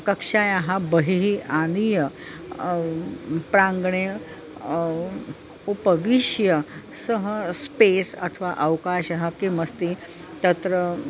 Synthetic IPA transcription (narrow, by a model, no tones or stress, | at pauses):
kɐkʂajaɦabəɦiɦiʔanijə | pɾãŋɡɳe | upəʋiʃjəsəɦəspesɐt̪ʰəʋaʔɐʋkaʃaɦakiməst̪i | t̪ət̪ɾə